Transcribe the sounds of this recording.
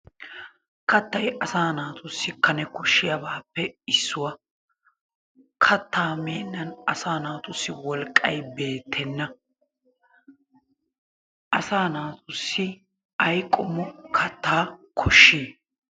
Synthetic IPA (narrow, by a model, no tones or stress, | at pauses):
kɐt̪ːɐjʔɐsaːnaːt̪ʊsːɪkɐnɛkɔʃːɪjɐbaːpːɛɪsːʊwɐ | kʰɐt̪ːaːmeːnːɐnɐsaːnaːt̪ʊsːɪwɔlkʼːɐjbe̞ːt̪ʰːɛnːɐ | ʔɐsaːnaːt̪ʊsːɪ | ɐjkʼːɔmːɔkʰɐt̪ʰːaːkʰɔʃːiː